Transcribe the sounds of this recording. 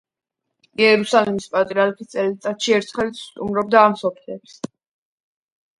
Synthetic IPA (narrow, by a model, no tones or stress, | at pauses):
iɛɾusalɛmispʼat̪ʼɛalkʰit̪sʼɛlit̪sʼat̪ʃiɛɾt̪ʰχɛlst̪ʼumɾɔbd̪aːmsɔpʰlɛps